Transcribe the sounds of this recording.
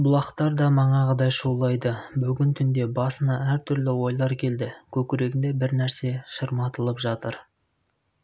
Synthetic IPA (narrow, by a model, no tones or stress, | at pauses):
bʊlˠɑqt̪ɑɾd̪ɑmɑɴɑʁəd̪ɑjʃulˠɑjd̪əbʏɡʲɪnt̪ʰʏnd̪e̞bɑsənɑæɾt̪ʰʏɾlɪwo̞jlˠɑɾkʲʰe̞ld̪ɪkʲʰɵkʲɪɾe̞ɡʲɪnd̪e̞bɪɾnæɾse̞ʃəɾmɑt̪əlˠəpʒɑt̪əɾ